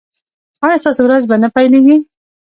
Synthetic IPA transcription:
ɑjɑst̪ɑsowɾazbanapajleɡi

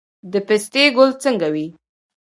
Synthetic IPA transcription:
d̪əpɪst̪eɡʊlt͡səŋɡawi

